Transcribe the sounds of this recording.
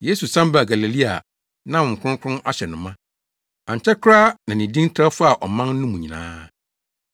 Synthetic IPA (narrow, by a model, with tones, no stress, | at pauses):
je˦su˨sã˦m˦ba˨ɡa˨li˨li˦a˨ | nã˦wʊ̃˨ŋ̩˨kʰʊ̃˦kʰʷʊ̃˦nʔa˦ɕɛ˨nʊ̃˨mã˦ | ã˨ɲ˨t͡ɕʰɛ˦kʰʊ˦ɾaː˦nã˨nɪ̃˨dĩ˦n˦tʰɾa˦fʊ˦a˨ʔɔ˨mã˦nː˦ũ˦mũ˨ɲĩ˨nã̰ː˦